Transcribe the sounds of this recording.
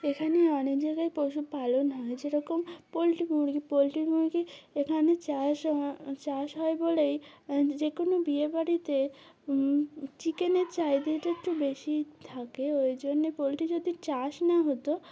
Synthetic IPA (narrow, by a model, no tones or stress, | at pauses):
ekʰaneɔnekd͡ʑaɡaepoʃupalonɦɔed͡ʑeɾɔkompolʈimuɾɡipolʈimuɾɡiekʰanet͡ɕaʃt͡ɕaʃɦɔebolejd͡ʑekonobiebaɽit̪e | t͡ɕikenet͡ɕajd̪eʈekʈubeʃit̪ʰakeojd͡ʑonːepolʈid͡ʑod̪ʱit͡ɕaʃnaɦot̪o